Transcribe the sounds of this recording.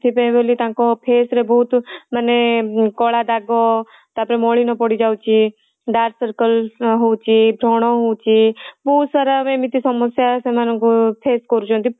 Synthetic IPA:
t̪ʰipebelit̪ãːkopʰeːsɾebɔt̪mənekɔːɭad̪aːɡo | t̪ãpɾemoːɭinɔpɔɽid͡ʒaːwt͡ʃʰi | ɖaːɾsəɾkəlɦout͡ʃʰibʱɾoɽ̃ɔɦot͡ʃibuːt̪səɾamẽmit̪isɔməsjasẽmanɔ̃kupʰeːskɔɾut͡ʃʰõnt̪i

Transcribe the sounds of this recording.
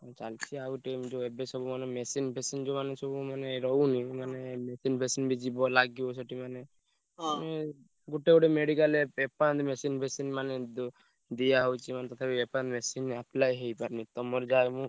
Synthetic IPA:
t͡ʃalt͡ʃʰiauʈemd͡ʒoebesɔbumanemesinbʱesind͡ʒomanesɔbumaneɾɔɦwnimanemesinbʱesinbʱid͡ʒibɔlaɡiosɔʈimane | me | ɡuʈeɡuʈemeɽikaleepand̪mesinbʱesinmaned̪ | d̪ijaɦɔwt͡ʃʰimanet̪ɔt̪ʰabiepanmesinaplajɦejpaɾnit̪ɔmɔɾd͡ʒaemũ

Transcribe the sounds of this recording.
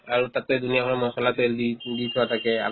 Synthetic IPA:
aɹutatɛdunijakʰɔɹɔmɔsɔlatɛdiditʰuwatʰakɛa̰

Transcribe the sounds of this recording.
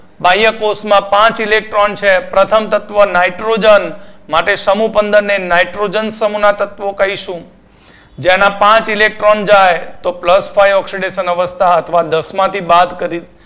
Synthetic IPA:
bajəkosmãpãt͡ʃilek̚ʈɾont͡ʃʰepɾət̪ʰəmt̪ət̪ʋənaiʈɾod͡ʒənmaʈeʃəmupənd̪əɾnenaiʈɾod͡ʒənsəmunat̪ət̪ʋokəɦiʃũ | d͡ʒenapãt͡ʃilek̚ʈɾond͡ʒajt̪opləsfʰajɔksiɖeʃənəʋəst̪ʰaət̪ʰʋad̪əsmãt̪ʰibad̪kəɾi

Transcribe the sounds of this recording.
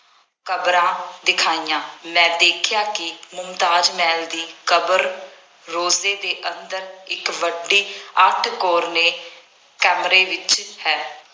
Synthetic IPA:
kəbɾãːd̪ɪkʰaːijãːmɛ̃ːd̪eːkʰjaːkɪmʊmt̪aːd͡ʒmɛːld̪iːkəbəɾː | oːzeːd̪eːʔənd̪əɾɪkʋəɖːiːəʈʰkoːɾneː | kɛːmɾeːʋɪt͡ʃhɛː

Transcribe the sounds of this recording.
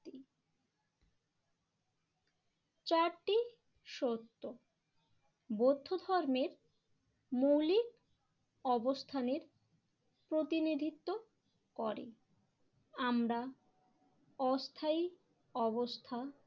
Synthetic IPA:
i | t͡ɕaɾʈi | ʃot̪ːo | bod̪ʱːod̪ʱɔɾmeɾ | mowlik | ɔbost̪ʰaneɾ | pɾot̪inid̪ʱit̪ːo | kɔɾḭ | amɾa | ɔst̪ʰai | ɔbost̪ʰa

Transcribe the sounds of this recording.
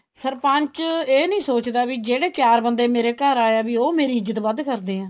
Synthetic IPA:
səɾpə̃ɲt͡ʃeːnəĩːsoːt͡ʃd̪aːʋiːd͡ʒeːɽeːkjaːɾbənd̪eːmeːɾeːkəɾaːjaːʋiːoːmeːɾiːɪd͡ʒət̪ʋəd̪kəɾd̪eːãː

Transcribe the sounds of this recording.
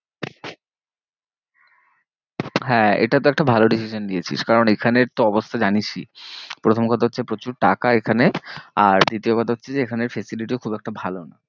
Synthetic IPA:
ɦɛḛʈat̪oɛk̚ʈabʱaloɖisiʃond̪ijet͡ɕʰḭʃkaɾonekʰaneɾt̪oɔbost̪ʰad͡ʑanit͡ɕʰḭpɾot̪ʰomkɔt̪ʰaɦotːʰepɾot͡ɕuɾʈakaekʰaneaɾd̪it̪iokɔt̪ʰaɦotːɕʰed͡ʑeekʰaneɾfesiliʈikʰubɛk̚ʈabʱalona

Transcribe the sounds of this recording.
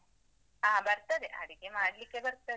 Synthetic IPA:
aːbɐɾt̪ːɐd̪eʔɐ̰ɽikːemaːɽlikːebɐɾt̪ːɐe

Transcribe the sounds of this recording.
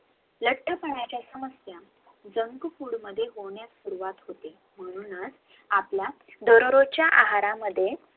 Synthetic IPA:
ləʈːəpəɳ̃at͡ɕjasəməsja | d͡zəŋkpuɽməd̪ʱːjeɦoɳjasuɾuʋat̪ɦot̪e | m̤əɽ̃uːnət͡s | aplja | d̪əɾɾot͡ɕjaʔaɦaɾaməd̪ʱːje

